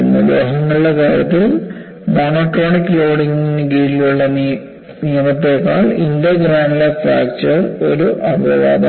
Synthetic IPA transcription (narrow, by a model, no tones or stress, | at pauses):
enːɐɡɾeːɦɐŋːɐɭuɭːɐkaːɾjɐt̪ːilum | naːnokːeaːɳikːloːɽiŋːinɡiːɾiluɭːɐ | nijɐmɐt̪ːe̞ːkːaːɭind̪ɐɡɾaːɳɖilefaːk̚t͡ɕɐro̞ɾuʔɐbʱɐʋa̰ːd̪ɐ